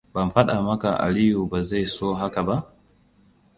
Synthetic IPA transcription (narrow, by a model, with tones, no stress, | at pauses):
ba˨m̩˨ɸa˦ɗa˨mɐ˦ka˨ʔa̰˨li˦ju˨ba˨za˦jsoː˦ɦa˦ka˨ba˦ʔ